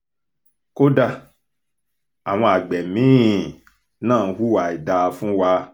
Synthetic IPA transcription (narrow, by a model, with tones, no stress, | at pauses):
ko˦da˧ | a˨w̃ɔ̃˧a˨ɡ͡bɛ˨mĩ˨˦˨ | nãː˦˨˧hu˦wa˨i˨da˧fũ˦wa˧